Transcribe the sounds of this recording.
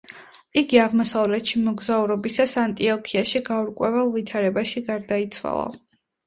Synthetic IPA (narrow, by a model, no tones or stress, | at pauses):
iɡiaʁmɔsavlɛt̪ʃimɔɡzauɾɔbisasant̪ʼiɔkʰiaʃiɡauɾkʼwɛvɛlˠvit̪ʰaɾɛbaʃiɡaɾd̪ait̪sʰwa̰lˠa̰